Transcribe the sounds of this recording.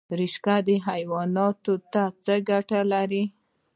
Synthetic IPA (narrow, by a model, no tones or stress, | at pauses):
ɾiʃkad̪əɦajwɑnɑt̪ot̪at͡səɡaʈalaɾi